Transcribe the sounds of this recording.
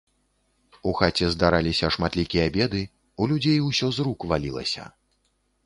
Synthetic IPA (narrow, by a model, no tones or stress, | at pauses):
uxat͡sʲɛzd̪aɾalʲisʲɐʂmat̪lʲikʲijɐabʲɛd̪ɨ | ulʲud͡zʲejwsʲɔzɾukvalʲilˠɐ̰sʲɐ̰